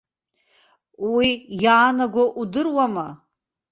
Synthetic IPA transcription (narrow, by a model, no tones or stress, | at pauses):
wijaːnaɡʷaʔudɨrwama